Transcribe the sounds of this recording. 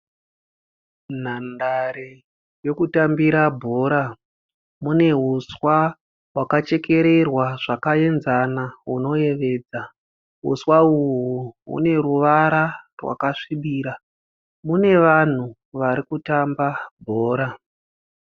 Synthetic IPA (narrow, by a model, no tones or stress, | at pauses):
n̤andaɾe | jo̞kutambiɾabʱo̞ːɾa | mune̞ɦuswa | wakat͡ʃe̞ke̞ɾe̞rwaʐakae̞nzanaɦuno̞je̞ʋe̞ːd͡za | ɦṵswauɦuṵne̞ɾuʋaɾarwa̰kaʂiɓiːɾa | mune̞ʋan̤u | ʋaɾikutambabʱo̞ːɾa